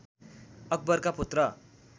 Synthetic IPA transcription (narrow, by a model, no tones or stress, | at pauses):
ʌk̚bʌrkapot̪rʌ